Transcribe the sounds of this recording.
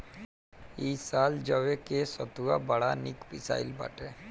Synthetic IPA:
iːsaːld͡ʒəʋekesət̪uabɐɽanɪkpɪsa̰ːɪlba̰ːʈe

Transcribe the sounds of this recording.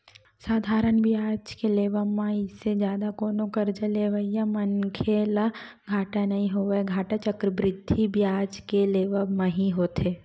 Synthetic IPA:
saːd̪ʱaːɾənbʱiaːd͡ʒkeleːʋəmãɪsːed͡ʒjaːd̪akoːnõkɐɾd͡ʒəleʋəijamɐnkʰela | ɡʱaːʈanɐɦĩɦoeɡʱaːʈat͡ʃəkɾəbɾɪd̪ʱːibʱiaːd͡ʒkeleːʋəmãɦiɦoːt̪eː

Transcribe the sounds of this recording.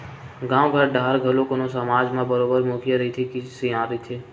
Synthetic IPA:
ɡãːoɡʱəɾɖʱaːɾɡʱɐlõkonosɐmaːd͡ʒmãbəɾoːbəɾmoːkijaɾɐɦit̪ʰikisejãːɾəɦit̪ʰeː

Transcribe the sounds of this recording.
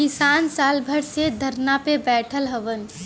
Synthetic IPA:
kɪsaːnsaːlbʱəɾsed̪ʱəɾnapebɛːʈʰəlɦəʋən

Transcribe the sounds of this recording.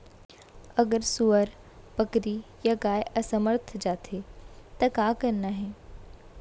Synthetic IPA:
ɐɡəɾsuəɾ | pɐkɾijaɡaːɪʔɐsɐməɾt̪ʰd͡ʑaːt̪ʰet̪ɐkakɐnːaːɦẽː

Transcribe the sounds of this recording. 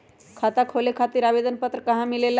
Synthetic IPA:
kʰat̪akʰolekʰat̪iɾaʋed̪ənpət̪ɾəkəɦãmilela

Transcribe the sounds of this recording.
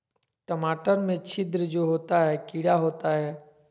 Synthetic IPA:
ʈəmaːʈəɾmẽt͡ʃʰɪd̪ɾd͡ʒoːɦoːt̪aɦɛːkiːɽaɦoːt̪aɦɛː

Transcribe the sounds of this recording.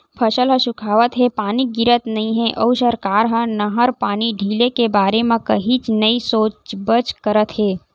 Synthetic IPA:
pʰəʃəlɦə̃ʃʊkʰaːʋət̪ɦɛpaːniɡɪɾət̪nɐɦĩɦɛʔəʊʃəɾkaːɾɦə̃nɐɦəɾpaːniɖʱiːlekebaːɾemẽkɐɦit͡ʃnəisoːt͡ʃbət͡ʃkəɾət̪ɦeː

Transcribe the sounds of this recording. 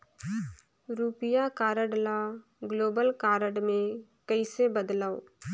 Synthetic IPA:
ɾuːpɪjakaːɾəɖla | ɡloːbəlkaːɾəɖmẽkɐisebəd̪laːo̰ː

